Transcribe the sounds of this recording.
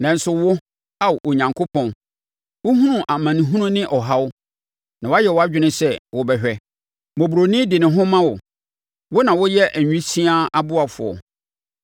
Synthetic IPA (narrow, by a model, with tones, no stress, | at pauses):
nã˨n̩˨sʊ˨wʊ˦ | a˦˨ʔo˨ɲã˨ŋkʰo˦pʰɔ̃˨n | wʊ˦hũ˦ũ˦ʔa˨mã˨nĩ˨ɦũ˦nũ˦nɪ̃˦ʔɔ˨ɦa˦wʊ˦ | nã˨wa˦jɛ˨wɔ˦a˦d͡ʑᶣɪ˦nɪ̃˦sɛ˦wʊ˨bɛ˨ɕᶣɛ˨ | mõ˨bu˨ɾo˨nɪ̃˦dɪ˨nɪ̃˨ɦʊ̃˦mã˦wʊ˨ | wʊ˦nã˨wʊ˦jɛ˦ʔæ˨ɲᶣũ˦si˦a˦a˦bʊ˦a˨fʊ̰˨ɔ̰˨